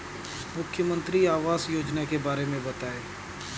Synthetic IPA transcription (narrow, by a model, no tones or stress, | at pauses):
mʊkʰːjəmə̃nt̪ɾiaːʋaːzjoːd͡ʒnakebaːɾemẽbɐt̪aːeː